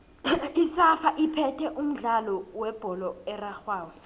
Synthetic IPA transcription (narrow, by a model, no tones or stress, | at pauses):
isafaʔipʰɛtʰɛʔum̩ɮalɔwɛb̥ʱɔlɔɛraxwaːwɛ